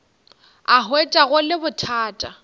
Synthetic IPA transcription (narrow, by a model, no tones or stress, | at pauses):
aɦwet͡ʃʼaɣʊlɪbʊtʰaːtʼa